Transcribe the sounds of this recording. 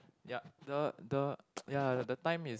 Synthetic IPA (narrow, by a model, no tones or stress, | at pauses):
jadədəjadətãj̃mis